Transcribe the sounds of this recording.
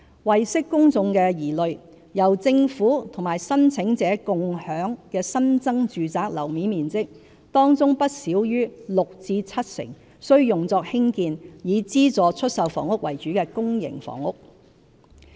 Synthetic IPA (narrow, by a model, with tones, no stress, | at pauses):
wɐ˨jsɪ˥kːʊ˥ŋt͡sʊ˧ŋkɛː˧jiː˨˩lɵ˨ɥ | jɐ˨˩wt͡sɪ˧ŋfuː˨˥t̪ʰʊ˨˩ŋmaː˨˩jsɐ˥nt͡sʰɪ˨˥ŋt͡sɛː˨˥kʊ˨˧ŋhœː˨˥ŋkɛː˧sɐ˥nt͡sɐ˥ŋt͡ʃyː˨t͡saː˧k̚lɐ˨˩wmiː˨˥miː˨˩nt͡sɪ˥k̚ | t̪ɔː˥ŋt͡sʊ˥ŋpɐ˥t̚siː˨˥wjyː˥lʊ˨k̚t͡siː˧t͡sʰɐ˥t̚sɪ̰˨˩ŋ | sɵ˥ɥjʊ˨˩ŋt͡sɔː˧k̚hɪ˥ŋkiː˧njiː˨˧t͡siː˥t͡sɔː˨˧t͡ʃʰɵ˥t̚sɐ˨wfɔ̰ː˨˩ŋʊ˥k̚wɐ˨˩jt͡ʃyː˨˥kɛː˧kʊ˥ŋjɪ̰˨˩ŋfɔ̰ː˨˩ŋʊ˥k̚